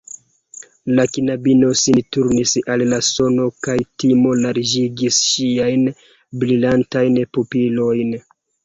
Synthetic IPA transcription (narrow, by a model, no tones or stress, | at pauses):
lakinabino̞sintuɾnisallaso̞no̞kajtimo̞laɾd͡ʒiɡisʃiajn | bɾilantajnpupilo̞jn